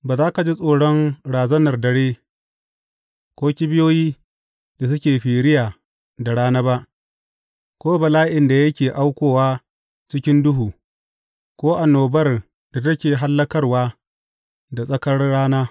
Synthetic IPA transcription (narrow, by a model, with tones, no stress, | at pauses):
baː˨zaː˦ka˨d͡ʒi˦sʼoː˨ɽɔ˦ŋɽaː˨zɐ˦nɐ˨rdɐ˨ɽeː˦ | kʷoː˦kʲɪ˦bɪ˦joː˦jiː˦ | da˨s̬ʊ˦kʲeː˨ɸiː˨ɾɪ˦jaː˨ | da˨ɽaː˦naː˦ba˦ʔ | kʷoː˦bɐ˨laː˦ʔɪ˨nda˨jɐ˦kʲeː˨ʔa˦wkʷoː˨waː˦ | t͡ʃɪ˦kʲɪ˦ndʊ˦ɦuː˨ | kʷoː˦ʔa˨nːoː˨bɐ˦r | d̥a˨tɐ˦kʲeː˨ɦa˦lːɐ˦kɐ˦rwaː˦ | da˨sʼɐ˦kɐ˦rːaː˦naː˦